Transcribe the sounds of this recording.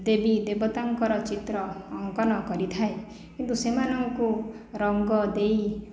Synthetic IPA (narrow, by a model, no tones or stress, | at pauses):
d̪ebid̪ebɔt̪aŋkɔɾɔt͡ʃit̪ɾɔːŋkɔnɔkɔɾit̪ʰae | kint̪usemanɔŋku | ɾɔŋɡɔd̪ej